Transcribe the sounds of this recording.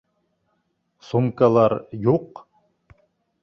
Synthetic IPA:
sumkalˠɑɾjuq

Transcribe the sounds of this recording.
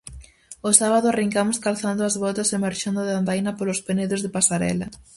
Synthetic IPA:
osaβaðʊariŋkamʊskalθand̪ʊazβɔt̪ɐsemaɾʃand̪ʊðeand̪ajnɐpolʊspeneðʊzðepasaɾɛ̰lɐ

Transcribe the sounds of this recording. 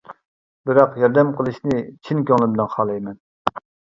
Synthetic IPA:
bɪɾɑqjɑɾd̪ɛmqʰəlˠɨʃnɪt͡ʃʰinkʲøŋlˠɪbɪlɛnχɑːlˠɛjmɛn

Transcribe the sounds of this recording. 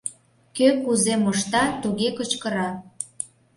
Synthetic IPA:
køkuzemoʃt̪ɑt̪uɣekət͡ɕkə̆ɾɑ

